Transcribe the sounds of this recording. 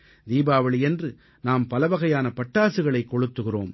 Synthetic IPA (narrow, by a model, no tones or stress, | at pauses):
d̪iːbaːʋɐɭɪɛndrɯ | naːmpɐlɐʋɐɣɐjaːnɐpɐʈːaːsɯɣɐɭɐɪkːɔɻɯt̪ːɯɣɪro̰ːm